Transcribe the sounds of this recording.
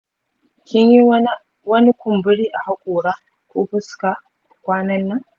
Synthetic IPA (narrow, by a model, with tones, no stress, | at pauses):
kʲɪ˦ɲji˦ | wɐ˦ni˦kʷʊ˨mbʊ˦ɽiː˦ʔa˨ha˦kʷʼoː˨ɽaː˦ | kʷoː˦ɸʊ˦ska˨ | kʷaː˦nɐ˦nːɐ˦ŋ